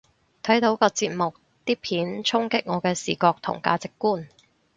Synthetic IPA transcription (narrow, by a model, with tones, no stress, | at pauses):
t̪ʰɐ˨˥jt̪o˨˥wkɔː˧t͡siː˧t̚mʊ˨k̚ | t̪iː˥pʰiː˨˥nt͡sʰʊ˥ŋkɪ˥k̚ŋɔː˨˧kɛː˧sḭː˨˩kɔː˧k̚t̪ʰʊ̰˨˩ŋka̰ː˧t͡sɪ˨kːuː˥n